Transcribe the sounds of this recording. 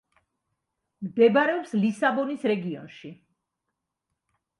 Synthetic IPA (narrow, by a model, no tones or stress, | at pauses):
md̪ɛbaɾɛɔpslisabɔnisɾɛɡiɔ̰nʃi